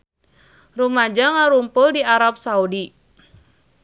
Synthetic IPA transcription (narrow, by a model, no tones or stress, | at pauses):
rumad͡ʒaŋaɾumpʊldiaɾap̚saudi